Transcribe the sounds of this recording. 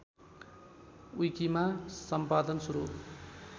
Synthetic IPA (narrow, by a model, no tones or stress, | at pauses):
ujkimasʌmpad̪ʌnsuɾṵ